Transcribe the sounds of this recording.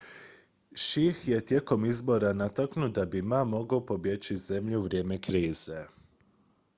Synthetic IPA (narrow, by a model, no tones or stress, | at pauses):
ʃixje̞t̪je̞ko̞mizbo̞ɾanat̪aknud̪abimamo̞ɡaopo̞bje̞t͡ɕize̞mʎuʋɾʲje̞ːme̞kɾiːz̥e̞